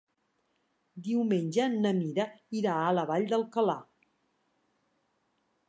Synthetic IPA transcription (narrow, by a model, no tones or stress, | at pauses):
d̪iwmenʲʒənəmiɾəiɾaələβaʎd̪əlˠkəla